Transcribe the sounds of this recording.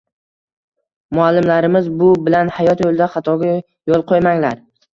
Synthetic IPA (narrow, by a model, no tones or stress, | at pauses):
mʊalːɪmlaɾɪmɪzbʊbɪlanhajɒt̪jolˠd̪aχɑt̪ʰɒɡʲa | jolˠqʰojmaŋlaɾ